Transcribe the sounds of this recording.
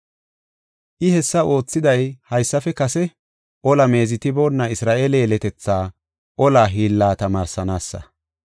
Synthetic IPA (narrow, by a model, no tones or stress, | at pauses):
ʔɪhɛsːɐo̞ːt͡sːɪd̪ɐjhɐjsːɐfɛkɐsɛ | ʔɔlɐme̞ːzɪt̪ɪbonːɐɪsɾaːʔeːleːlɛt̪ɛt͡sːaː | ʔɔlaːɦiːlːaːt̪ɐmaːɾsɐnaːsːɐ̰